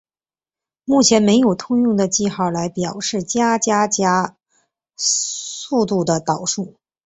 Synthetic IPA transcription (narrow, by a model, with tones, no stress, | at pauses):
mu˥˩t͡ɕʰjɛ˧˥nme˧˥ɪjo˨˩ʊt̪ʰʊ˥ŋjʊ˥˩ŋd̪ə˩t͡ɕi˥˧xɑ˥˩ʊla˧˥ɪpjɑ˨˩ʊʂɻ̩˥˩t͡ɕja˥t͡ɕja˥t͡ɕja˥ | su˥˧t̪u˥˩d̪ə˩t̪ɑ˨˩ʊʂu˥˩